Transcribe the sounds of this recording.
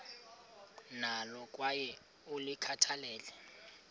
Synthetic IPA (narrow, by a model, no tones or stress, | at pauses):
nalɔk̬ʼwajɛ | ulikʰatʰalɛːlɛ